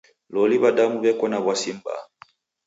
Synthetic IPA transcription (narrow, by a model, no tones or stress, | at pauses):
lɔliβadamuβɛkɔnaβwasimba̰